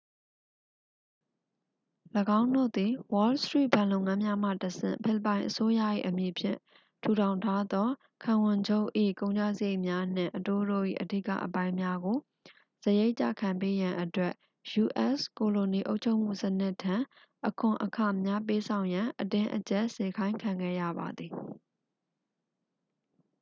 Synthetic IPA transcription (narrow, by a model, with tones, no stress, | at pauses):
ləɡã˦ʊ̃ndo̰˦˨d̪i˨wɔ˦lstɹḭ˦˨ʔbã˨lõ˨ʊ̃ŋã˦mja˦m̥ä̰˦˨təsʰɪ̰̃˦˨mpʰɪ˦˨lə˨pã˨ɪ̃ʔəso˦ja̰˦˨ʔḭ˦˨ʔəmji˨pʰjɪ̰̃˦˨ | tʰu˨ɾʰã˨ʊ̃ntʰa˦d̪ɔ˦ | kʰã˨wʊ̃˨ɲd͡ʑo˦˨ʔḭ˦˨kõ˦ʊ̃ɲd͡ʑa˦˨zəje˦˨mja˦n̥ɪ̰̃˦˨ʔəto˦˨ɾo̰˦˨ʔḭ˦˨ʔədḭ˦˨kä̰˦˨ʔəpã˦ɪ̃mja˦ɡo˨ | səje˦ɪʔt͡ɕa̰˦˨kʰã˨mpe˦jã˨ʔətwɛ˦ʔ | ju˨ʔɛ˦sko˨lo˨ni˨ʔo˦ʊʔt͡ɕʰo˦ʊʔm̥ṵ˦˨sənɪ˦ʔtʰã˨ | ʔəkʰʊ̃˨ʔəkʰa˨mja˦p̬e˦sʰã˨ʊ̃jã˨ʔətɪ̃˦ʔət͡ɕɛ˦˨ʔse˨kʰã˦ɪ̃kʰã˨ŋɡɛ̰˦˨jä̰˦˨ba˨d̪i˨